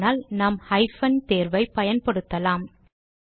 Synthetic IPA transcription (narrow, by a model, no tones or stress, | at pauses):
naːlnaːmhɐɪfɐnt̪eːɾʋɐɪpɐjɐnpɐɽɯt̪ːɐlaːm